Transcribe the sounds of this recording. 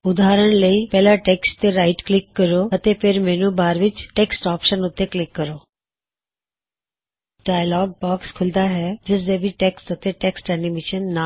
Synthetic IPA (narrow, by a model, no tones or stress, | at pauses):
ʊd̪aːɾəɽ̃ləiːpɛːlaʈɛːksʈt̪eɾaːɪʈklɪkːəɾoːət̪eːpʰɪɾmɛːnũːbaːɾʋɪt͡ʃʈɛːksʈɔːpʃənʊt̪ːeːklɪkːəɾoː | ɖ̥aːjlɔːɡ̚bɔːkskʰʊld̪aːɦɛːd͡ʒɪs̬d̪eːbiʈɛːksʈət̪eʈɛksʈɛːnimɪʃənːa